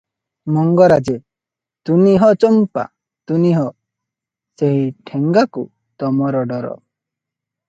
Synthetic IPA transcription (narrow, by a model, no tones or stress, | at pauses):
mɔŋɡɔɾad͡ʒe | t̪uniɦɔt͡ʃɔmpa̰ | t̪uniɦɔ | seɦiʈʰeŋɡakṵ | t̪ɔmɔɾɔɖɔɾɔ̰